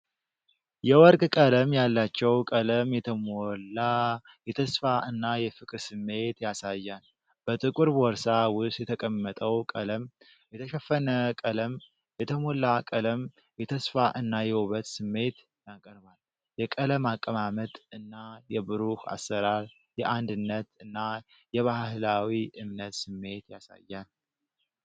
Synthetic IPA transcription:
jɛwɔɾkʼkʼələmjalːat͡ʃːɛwkʼələmjɛt̪ʰəmola | jɛt̪ʰəsfaʔɨnːajɛfɨkʼɾsɨmːe̞t̪jasajːan | b̥ət̪ʼɨkʼuɾwɔɾsawʊsjɛt̪ʰəkʼəmːət̪ʼəwkʼələm | jɛt̪ʰəʃəfːənəkʼələm | jɛt̪ʰəmo̞lakʼələm | jɛt̪ʰəsfaʔɨnːajɛwoβət̪sɨmːe̞t̪ | jakʼəɾβal | jɛkʼələmakʼːəmamət̪ʼɨnːajɛbɨɾuha̰sːəɾaɾ | jɛʔand̪ɨnːət̪ɨnːa | jɛβahhɨlawiʔɨmnət̪sɨmːe̞t̪jasa̰jːan

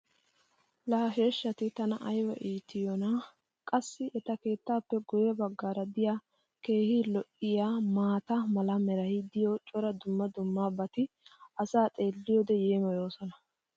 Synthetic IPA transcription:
laːɦeːʃːɐt̪ɪt̪ɐnɐʔɐjwɐ̰ʔiːt̪ːɪjɔnɐ | kʼɐsːɪʔɛt̪ɐke̞ːt̪ːaːpːɛɡʊjɛbɐɡːaːɾɐd̪ɪja | ke̞ːhɪlɔʔːɪjaːmaːt̪ɐmɐlɐmɛɾɐjd̪ɪjɔt͡ʃʼɔɾɐd̪ʊmːɐd̪ʊmːaːbɐt̪ɪ | ʔɐsaːt̪ʼe̞ːlːɪjɔːd̪ɛjeːmɐjo̞ːsɔnɐ

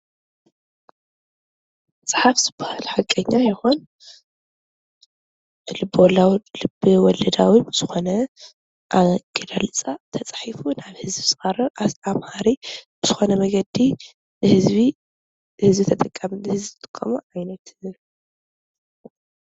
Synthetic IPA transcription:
sʼɨ̥ħafz̥ɨbahalħakʼɐɲːajɪxon | lɨbːwlwlɨbɨwɔlɐd̪awibɨz̥ɨxo̞nɐ | ʔaɡ̥ɐlalɨt͡sʼat̪ʰɐt͡sʼħifunaβhɨzbisɨxʼaɾɐʔaamhaɾibɨz̥ɨxo̞nɐmɐɡɐd̪i | hɨzβi | hɨzbit̪ʰɐt̪ʼɐkʼːamɨhɨziɨt̪ʼɨ̥kʼːɐmuʕajnɐt̪

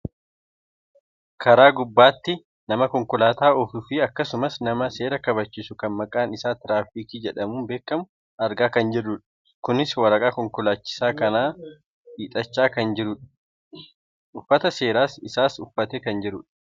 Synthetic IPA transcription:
kʰɐɾaːɡʊbːaːt̪ːɪ | nɐmɐkɔŋkʊlaːt̪aːɔfʊfiɐkːɐsʊmɐsnɐmɐse̞ːɾɐkɐβɐt͡ʃːiːsʊkɐnmɐkʼaːnɪsaːt̪ɪɾaːfiːkiːd͡ʒɛᶑɐmuːnbe̞ːkːɐmʊ | ɐɾɡaːkɐnd͡ʒɪrːʊᶑ | kʊnɪswɐɾɐkʼaːkɔŋkʊlaːt͡ʃːɪ̥saːkɐnaː | iːt̪ʼɐt͡ʃːaːkɐnd͡ʒɪɾʊᶑɐ̥ | ʔʊfːɐt̪ɐse̞ːɾaːsɪsaːsʊfːɐt̪eːkɐnd͡ʒɪɾʊᶑ̥

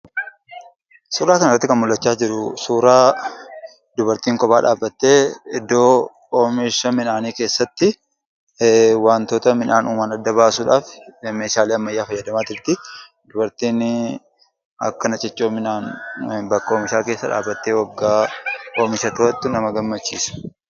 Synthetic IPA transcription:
suːɾaːkɐnɪrːɐt̪ːɪkɐnmʊlːɐt͡ʃːaːd͡ʒɪɾʊsuːɾaː | d̪ʊbɐɾt̪iːŋkɔbaːᶑaːbːɐt̪ːe̞ːɪd̪ːo̞ː | oːmɪʃɐmɪnaːniːke̞ːsːɐt̪ːɪ | waːnt̪oːt̪ɐmɪnʔaːnuːmanɐd̪ːɐbaːsʊᶑaːfme̞ːʃaːliːɐmːɐjːaːfɐjːɐd̪ɐmaːt̪ɪɾt̪ɪ | d̪ʊbɐɾt̪iːn | ɐ̰kːɐnɐt͡ʃʼɪt͡ʃːoːmɪnaːnbɐkːɐoːmɪʃaːke̞ːsːɐᶑa̰ːbːɐt̪ːe̞ːwɐɡːaːʔoːmɪʃɐt̪oɐt̪ːɪnɐmɐɡɐmːɐt͡ʃːiːsɐ̥

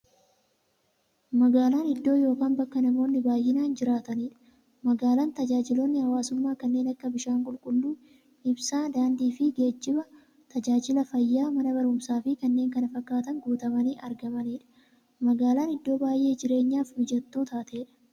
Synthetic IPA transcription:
mɐɡaːlaːnɪd̪ːo̞ːjo̞ːkaːnbɐkːɐnɐmo̞ːnːɪbaːjːɪnaːnd͡ʒɪɾaːt̪ɐniːᶑɐ̥ | mɐɡaːlaːnt̪ɐd͡ʒaːd͡ʒɪlonːɪhɐwaːsʊmːaːkɐnːe̞ːnɐkːɐbɪʃaːŋkʼʊlkʼʊlːuː | ɪbsaːd̪aːnd̪iːfɪɡe̞ːd͡ʒːɪbɐ | t̪ɐd͡ʒaːd͡ʒɪlɐfɐjːaːmɐnɐbɐɾʊmsaːfɪkɐnːe̞ːŋkɐnɐfɐkːaːt̪ɐŋɡuːt̪ɐmɐniːʔɐɾɡɐmɐniːᶑɐ̥ | mɐɡaːlaːnɪd̪ːo̞ːbaːjʔe̞ːd͡ʒɪɾe̞ːɲːaːfhʊd͡ʒɐt̪ːuːt̪aːt̪eːᶑɐ̥

